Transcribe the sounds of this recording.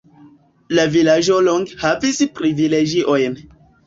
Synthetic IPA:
lavilaʒoloŋɡhavispɾivileɡiʔojn

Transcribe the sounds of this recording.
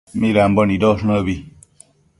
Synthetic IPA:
miɾambɔnidɔsnəβi

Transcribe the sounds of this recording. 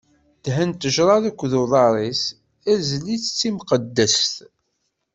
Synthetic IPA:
d̪̥ɦənt̪əʒɾˤɑðækʷːðuðˤɑɾˤis | æzlːit͡sːə̥t͡sːimqəd̪ːəst̪

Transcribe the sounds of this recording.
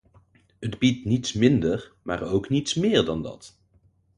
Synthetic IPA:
ədbitnitsmɪndəɹmaːɹowknitsmɪːɹdɑndɑ̰t

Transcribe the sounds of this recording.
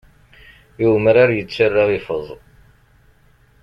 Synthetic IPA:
juməɾaɾjət͡sːarːaʁɪfəzˤ

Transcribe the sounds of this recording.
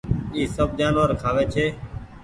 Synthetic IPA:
iːsəb̚d͡ʒaːnʋəɾkʰaːʋeːt͡ʃʰeː

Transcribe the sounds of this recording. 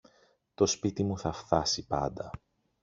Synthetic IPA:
t̪o̞spit̪imuθɐft̪ɐsipɐ̰nd̪ɐ

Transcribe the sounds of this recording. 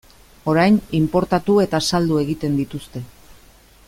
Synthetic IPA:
o̞ɾajnimpo̞ɾt̪at̪ue̞t̪asald̪ue̞ɣit̪e̞nd̪it̪ust̪e̞

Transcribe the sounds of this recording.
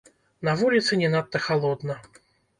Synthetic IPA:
navulʲɪt̪sɨnʲɛnat̪ːɐxalˠɔd̪nɐ

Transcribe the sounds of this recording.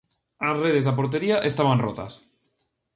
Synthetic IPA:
azreð̞ezðap̬oɾt̪̬eɾiaʔest̪aβanrot̪a̰s

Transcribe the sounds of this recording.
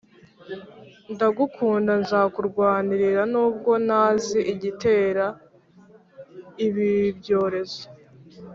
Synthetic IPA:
ndaɡukʰuːndanzaːkuɾɡwaːniɾiɾanuːb̚ɡo̞naːziʔiɟite̞ːɾa | iβibɟo̞ːɾe̞zo̥

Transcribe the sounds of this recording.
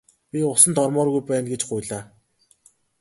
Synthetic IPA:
pʲiʊsə̆nt̪ʰɔrmɔːrɣujpæːnɡet͡ɕɢʊjɮaː

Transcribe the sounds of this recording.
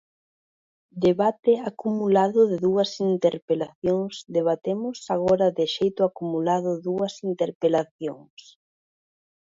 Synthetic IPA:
d̪eβat̪ɪakumulaðʊðɪðuɐsint̪eɾpelaθjoŋsd̪eβ̞at̪emʊsaɣ̞ɔɾɐðɪʃejt̪ʊakumulaðʊðuɐsint̪eɾpelaθjoŋs

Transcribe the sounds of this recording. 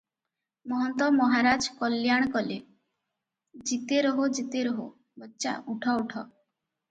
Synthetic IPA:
mɔɦɔnt̪ɔmɔɦaɾad͡ʒkɔljaɽ̃kɔle | d͡ʒit̪eɾɔɦod͡ʒit̪eɾɔɦo̰ | bɔtːʃa̰uʈʰɔuʈʰɔ

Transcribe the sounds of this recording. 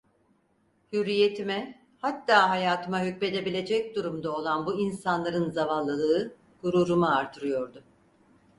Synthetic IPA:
hyɾije̞t̪ʰimɛ | hat̪ːaːɦajaːt̪ʰɯmaɦycme̞d̪e̞bilʲe̞d͡ʒɛc̚d̪uɾumd̪ao̞lˠanbuinsanlˠaɾɯnzavanlˠːɯlˠɯɯ | ɡ̥uɾuːɾumaːɾt̪ʰɯɾɯjo̞ɾd̪ʊ

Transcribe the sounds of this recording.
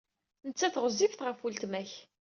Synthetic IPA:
nət͡sːæθʁəzˤifθʁəfult̪mæç

